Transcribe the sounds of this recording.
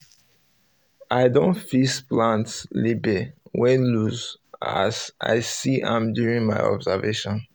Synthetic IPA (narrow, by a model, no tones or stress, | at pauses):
aɪdõntfisplãntslibewɛ̃nluza̰zʔa̰ɪsiʔã̰mdjuɹĩŋmaɪɔ̰bzəveʃɔ̃n